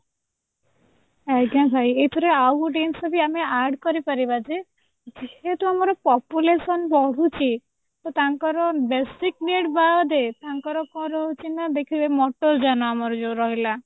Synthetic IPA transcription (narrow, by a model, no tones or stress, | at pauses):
aɡãbʱajet̪ʰɔɾeawɖensɔbʱiameaɾɖkɔɾipaɾibad͡ʒe | d͡ʒehet̪uamɔɾɔpɔpjulesɔnbɔɽ̤ut͡ʃʰi | t̪ɔt̪aŋkɔɾɔbesik̚neɽbad̪et̪aŋkɔɾɔkɔ̃ɾɔɦut͡ʃʰinad̪ekʰibemɔʈoɾd͡ʒanɔamɔɾɔd͡ʒoɾɔɦila